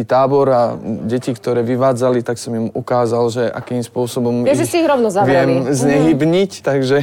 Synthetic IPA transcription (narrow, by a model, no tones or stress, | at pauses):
it̪aːbɔɾaɟɛcikt̪ɔɾɛːʋiʋaːd͡zalit̪aksɔmjimukaːzalʒɛʔa̰kiːmspʊɔsɔbɔmɛʒɛsiiɣɾɔʊnɔzaʋɪɛmzɲɛɦibɲict̪aɡʒɛ